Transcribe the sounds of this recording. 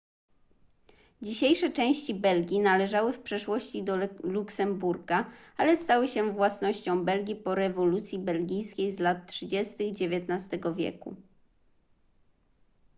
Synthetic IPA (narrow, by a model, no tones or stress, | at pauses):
d͡ʑiɕejʂɛt͡ʂɛ̃w̃ɕt͡ɕibɛlɡʲinalɛʐawɘfpʂɛʂwɔɕt͡ɕid̪ɔluksɛmbuɾɡaalɛst̪awɘɕɛvwasnɔɕt͡ɕɔ̃w̃bɛlɡʲipɔɾɛvɔlut̪sʲjibɛlɡʲijskʲejzlat̪̚tʂɘd͡ʑɛst̪ɘɣd͡ʑevʲjɛt̪nast̪ɛɡɔvʲjɛ̰kṵ